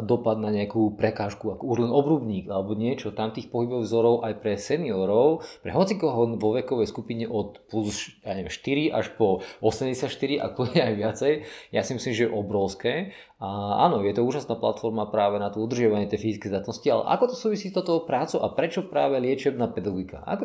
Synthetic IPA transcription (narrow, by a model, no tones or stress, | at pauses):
d̪ɔpad̪naɲɛakuːpɾɛkaːʃkuakɔuʒlɛnɔbɾuːbɲiːɡalɛbɔɲɪɛt͡ʃɔt̪amt̪iːxpɔɦibɔwvzɔɾɔʊʔajpɾɛsɛniɔɾɔʊpɾɛ̰ɦɔt͡sikɔɦɔnʋɔʋɛkɔʋɛjskupiɲɛʔɔt̪plusjaːɲɛʋɛmʃt̪iɾiʔaʃpɔɔsɛmɟɛsjacʃt̪iɾiʔa̰kluɲɛajʋɪat͡sɛjjasimisliːmʒɛjɛʔɔbɾɔʊskɛː | aa̰ːnɔjɛt̪ɔuːʒasnaːpla̰t̪fɔɾmapɾaːʋɛnat̪ɔud̪r̩ʒɪaʋaɲɪɛt̪jɛjfizit͡skɛjzd̪at̪nɔscialɛ̰ʔa̰kɔt̪ɔsuːʋisiːst̪ɔt̪ɔɦpɾaːt͡suʔapɾɛt͡ʃɔpɾaːʋɛlɪɛt͡ʃɛbnaːpɛd̪aɡɔɡika̰ʔa̰kɔ